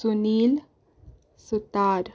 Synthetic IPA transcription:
suniːl | sut̪aːɾ

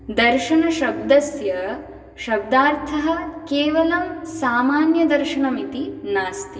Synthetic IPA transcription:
d̪ɐɾʃɐɳɐʃɐb̚d̪ɐsjɐ | ʃɐb̚d̪aːɾt̪ʰɐɦɐ̆keːʋɐlɐmsaːmaːnjɐd̪ɐɾʃɐɳɐmit̪inaːst̪i

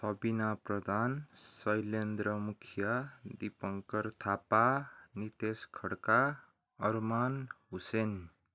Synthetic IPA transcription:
sʌbinaprʌd̪ʱansʌjlend̪ɾʌmukʰjʌd̪ipʌŋkʌrt̪ʰapanit̪eskʰʌɽka | ʌrmanɦusen

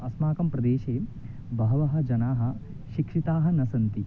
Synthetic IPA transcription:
ɐsmaːkɐmpɾɐd̪eːʃeː | bʱɐɦɐʋɐɦɐ̆d͡ʒɐnaːɦɐ̆ | ʃikʂit̪aːɦɐ̆nɐsɐnt̪i

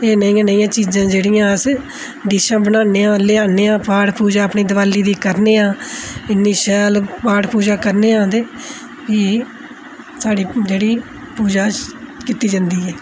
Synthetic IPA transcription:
eːnəĩːãːnəĩːãːt͡ʃiːd͡ʒãːd͡ʒeːɽijãːəs | d̪ɪʃãːbənaːneːãːleːaːneːãːpaːɽpuːd͡ʒaːəpniːd̪əʋaːliːd̪iːkəɾneːãːɪnːiːʃɛːlpaːʈpuːd͡ʒaːkəɾneːãːd̪eː | kiː | saːɽiːd͡ʒeːɽiː | puːd͡ʒaːkit̪ːiːd͡ʒãːnd̪iːɛː

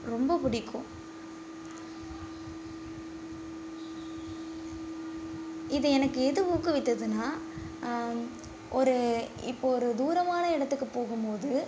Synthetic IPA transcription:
ɾɔmbɐpʊɽɪkʰːʊ̃ | ɪðɯɛnɐkːɯɛðɯuːkːɯʋɐɪt̪ːɐðɯnaː | ʔɔɾɯɪ̰pːoɔɾɯd̪uːɾɐmaːnɐɪɽɐt̪ːɯkːɯpoːɣɯmpoːðɯ

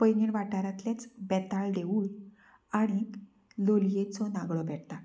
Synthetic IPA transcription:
pəjniɳʋaʈaɾãt̪ljat͡sbɛt̪aɭd̪eun | aɽ̃i | loljet͡sɔnaɡɭɔbɛʈt̪a

